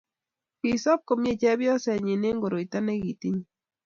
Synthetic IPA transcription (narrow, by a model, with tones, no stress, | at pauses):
pi˨sɔ˦p̚ko˨mɲe˦˨t͡ʃɛ˦bjɔ˦sɛ˨ɲi˨ne˦ŋɡo˨ɾo˨i˨ta˦ne˦ɡi˨ti˦ɲ˦